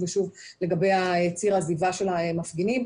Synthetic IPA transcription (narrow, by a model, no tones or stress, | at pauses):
veʃuvle̞ɡabejaet͡siʁazivaʃe̞lamafɡinim